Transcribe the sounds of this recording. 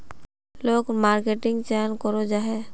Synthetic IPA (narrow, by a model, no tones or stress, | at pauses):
loːɡmaːɾkeʈɪŋɡt͡ʃɛnkɔɾod͡ʒaɦɛ